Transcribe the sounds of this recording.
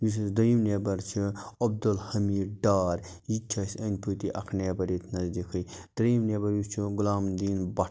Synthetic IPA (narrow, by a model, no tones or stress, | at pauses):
is̬sd̪ɐimnebɐɾt͡ʃʰiɐb̚d̪ɐlhɐmiːɖɖaːɾjit͡ʃʰɐsʲɐnʲpʰut̪iʔɐ̰kʰneːbɐɾit̪ʰnɐzd̪ikʰɐjd̪̥ɾimneːbɐɾjust͡ʃʰiɡulaːmd̪iːnbɐ